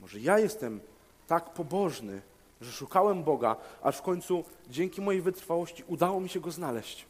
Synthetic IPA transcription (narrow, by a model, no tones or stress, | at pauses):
mɔʐɛjajɛst̪ɛm | t̪akpɔbɔʐnɘ̰ | ʐɛʂukawɛmbɔɡa̰ʔa̰ʂfkɔɲʲt̪sud͡ʑɛŋkʲimɔjejvɘt̪ɾfawɔɕt͡ɕiʔud̪awɔmʲiɕɛɡɔznalɛɕt͡ɕ